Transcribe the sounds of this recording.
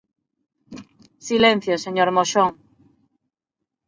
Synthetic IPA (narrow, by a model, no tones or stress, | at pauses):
silẽn̟θjoseɲoɾmoʃoŋ